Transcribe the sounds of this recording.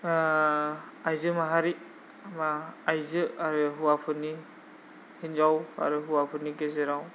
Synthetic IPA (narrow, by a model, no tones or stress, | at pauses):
ajzɯmaɦaɾi | amaajzɯaɾuɦuwapʰɯni | hinzawa̰ɾuɦuwapʰɯnikezɯɾaw